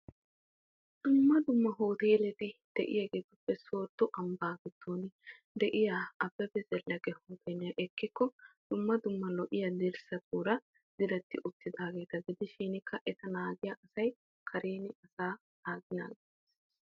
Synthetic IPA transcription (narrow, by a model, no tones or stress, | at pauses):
d̪̥ʊmːɐd̪ʊmːɐɦoːt̪eːlɛt̪ɪd̪̥ɛʔɪ̰jɛɡeːt̪ʊpːɛso̞ːt̪ːɔʔɐmbaːɡɛt̪ʰːoːnɪ | d̪ɛʔɪjaːɐbːɛbɛzɛlːɐɡɛhoːt̪ʰeːnɪjɐʔɛkːɪkːɔd̪̥ʊmːɐd̪ʊmːɐlɔʔɪjɐd̪ɪɾsɐt̪uːɾɐ | z̥ɪɾɛt̪ːɪʔʊt̪ːɪd̪aːɡe̞ːt̪ɐɡɪd̪ɪʃiːnɪkʰːɐʔɛt̪ɐnaːɡɪjɐʔɐsɐj | kʰɐɾeːnɪɐsaː | naːɡɪna̰ːɡɛt̪ees